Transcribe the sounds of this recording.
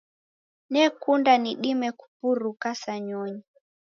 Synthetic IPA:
nɛkundaniɗimɛku̥puɾukasaɲɔɲi

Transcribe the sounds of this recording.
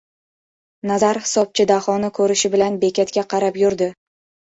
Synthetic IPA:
nazaɾhɪ̥sɒp̚t͡ʃʰɪd̪ahɒnɪkʰɵɾɪʃɪbɪlanbe̞kʲʰat̪kʲaqʰɑɾapjʊɾd̪ɪ

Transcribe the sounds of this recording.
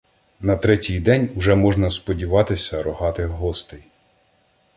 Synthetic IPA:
nɐt̪ɾɛtʲijd̪ɛnʲʊʒɛmɔʒnɐspɔdʲiʋɑt̪ɪsʲɐɾɔɦɑt̪ɪɦɔst̪ɪj

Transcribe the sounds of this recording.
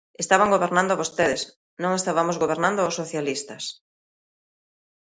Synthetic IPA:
est̪aβaŋɡoβeɾnãnd̪oaβost̪eðes | nõŋest̪aβamozɣoβeɾnãnd̪oosoθjalist̪ɐs

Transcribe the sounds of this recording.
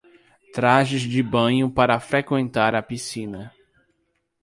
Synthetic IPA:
t̪ɾaʒɪzd͡ʒɪbɐ̃ɲʊpaɾɐfɾekwẽnt̪aɾɐpisĩnɐ

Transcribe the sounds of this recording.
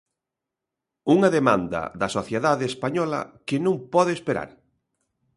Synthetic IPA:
uŋɐðemãnd̪ɐ̰ðɐsoθjeðaðeespaɲɔlɐ̰kɪnũmpɔðeːspeɾa̰ɾ

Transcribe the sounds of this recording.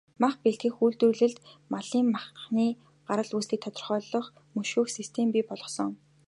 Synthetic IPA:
maχpeɮt̪xiːxuːɮt̪ŭɮɘ̆ɮt̪maɮiːmmaχniː | ɢaɾə̆ɮuːsiːk̚t̪ʰɔt̪ɞ̆rχœːɮɞ̆χ | mɵʃuːxsist̪ʰempʲiːpɔɮɞ̆sɞ̆ŋ

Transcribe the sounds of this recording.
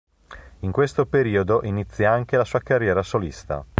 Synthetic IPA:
iŋkwest̪opeɾiːod̪oʔinit̪sːjaaŋk̟elasuːakarːjɛːɾasolist̪a̰

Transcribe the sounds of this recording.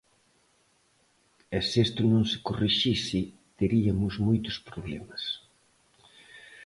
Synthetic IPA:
esest̪ʊnõŋsɪ̥koriʃisɪ | t̪eɾiɐmʊzmojt̪ʊspɾoβlɛmɐs

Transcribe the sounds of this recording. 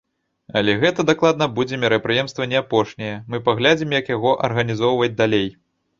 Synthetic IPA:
ɐ̰lʲɛɣɛt̪ɐd̪aklˠad̪̚nɐbud͡zʲɛmʲiɾɐpɾɨjɛmst̪vɐnʲɛapɔʂnʲɛjɛmɨpaɣlʲad͡zʲimjɐkjaɣɔʔɐ̰rɣɐnʲizɔwvɐd͡zʲd̪alʲej

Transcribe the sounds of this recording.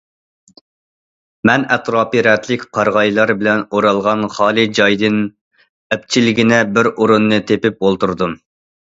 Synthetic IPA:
mɛnɛt̪ɾɑːpɨɾɛt̪ʰlɪkʲqʰɑɾʁɑjlˠɑɾbɪlɛnoɾɑlˠʁɑnχɑːlˠɨd͡ʒɑjd̪ɨn | ɛp̚t͡ʃʰilɪɡʲinɪbɪɾoɾunːɨt̪ʰepɪp̚olˠt̪uɾd̪um

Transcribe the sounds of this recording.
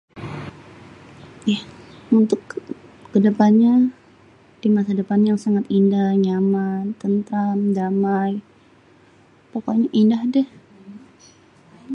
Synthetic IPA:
jahunt̪ʊkːədəpanɲa | d̥imasadəpanjaŋsaŋat̪indahɲamant̪ənt̪ɾamdamaj | poka̰ɲaʔindahdɛh

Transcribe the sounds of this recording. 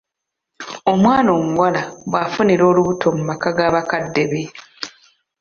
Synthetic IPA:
o̞mwaːno̞ːmuɡwalaβwafuniɾo̞ːluβutʰo̞mumakaɡaːβakadːe̞βe

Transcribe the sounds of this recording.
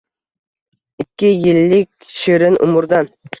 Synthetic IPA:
ɪkʲːɪjɪlːɪk̚ʲʃiɾɪnʔʊ̰mʊɾd̪ɑn

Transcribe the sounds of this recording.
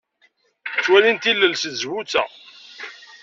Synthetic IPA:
t͡sːwælint̪ilːəlsəzwut͡sːæ̰

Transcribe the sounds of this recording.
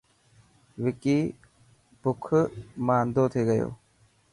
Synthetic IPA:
ʋɪkiː | bʊkʰmaːnd̪oːt̪ʰeːɡəjo̰ː

